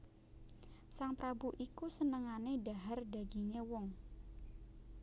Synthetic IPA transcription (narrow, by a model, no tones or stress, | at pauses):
saŋpɾabuʔikusənəŋanedaɦarda̤ɡiɲewɔŋ